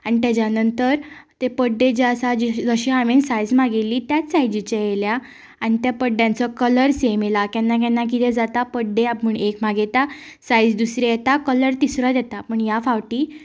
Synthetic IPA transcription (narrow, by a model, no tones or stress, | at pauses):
añit̪jat͡ɕanənt̪əɾt̪epəɖːed͡ʑeəsad͡ʑd͡zəɕiːamensajd͡zmaɡelːiːt̪jat̪sajd͡ʑit͡ɕaelja | añit̪japəɖjãnt͡səkələɾsemelakjanːak̬anːak̬it̪ed͡zat̪apəɖːeaməɳekm̤aɡet̪a | sajd͡zd̪usɾeet̪akələɾt̪isɾad̪jɛt̪apəɳjafawʈiː